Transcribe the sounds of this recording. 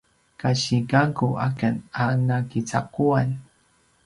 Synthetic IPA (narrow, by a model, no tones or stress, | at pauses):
kaʃiɡaŋkuʔa̰kananakit͡sa̰kuan